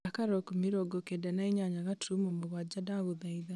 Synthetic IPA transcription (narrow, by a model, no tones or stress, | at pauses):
akaɾɔkumiɾɔɡɔkedanaiɲaɲaɣatʰumɔmoɣwad͡ʒadaɣoðaiða